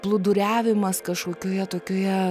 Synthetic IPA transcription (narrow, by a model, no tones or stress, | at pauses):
plˠʊd̪ʊɾʲæːʋʲɪmɐskɐʃkoːkʲoːjɛt̪oːkʲoːjɛ